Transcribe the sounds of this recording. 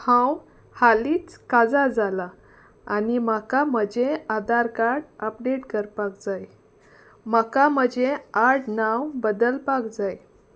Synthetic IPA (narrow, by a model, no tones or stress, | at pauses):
hãw | haliːt͡skad͡zad͡zalaː | nimakam̤əd͡ʑead̪aɾkaɾɽəpɖeʈkəɾpakd͡zaj | makam̤əd͡ʑeaɾɽnawbəd̪əlpakd͡zaj